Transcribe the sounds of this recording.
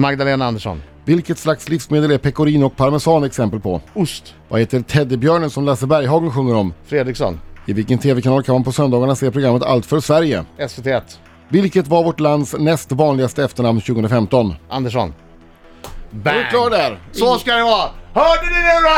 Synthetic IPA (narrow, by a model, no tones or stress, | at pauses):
maɡd̪aleːnaand̪əʂɔ̰n | vɪlkət̪slakslɪfsmeːd̪əlæɾpʰɛkʊɾiːnɔk̚pʰaɾmɛsɑːnɛksɛmpəlpʰɔ̰ʊst̪ | va̰heːt̪ːəɾt̪ʰɛd̪əbjœːɳənsɔmlasəɾbæɾjɦɑːɡənɧɵŋːəɾɔmfɾeːd̪ɾɪksɔ̰nɪvɪlkənt̪ʰeːvɛkʰanɑːlkʰanmanpʰɔsœnd̪ɑːɡaɳaseːpʰɾʊɡɾamːət̪ʰa̰lt̪fœɾʂvæɾjə̰ɛsvet̪ʰeːɛt̪ː | vɪlkət̪vaɾvɔʈland̪snɛst̪vɑːnlɪɡast̪əɛft̪əɳamnɕʉ̟ɡəɵnɾafɛmt̪ɔnʔa̰nd̪əʂɔ̰n | lɑːɖæɾsɔskad̪ɛvɑːhœːɖɪd̪ɪnɛa